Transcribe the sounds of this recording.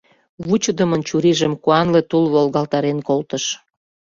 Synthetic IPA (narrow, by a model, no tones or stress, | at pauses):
βut͡ɕəd̪ə̆mənt͡ɕuɾiʒəmkuɑnlet̪ulβolɣɑlt̪ɑɾenkolt̪əʃ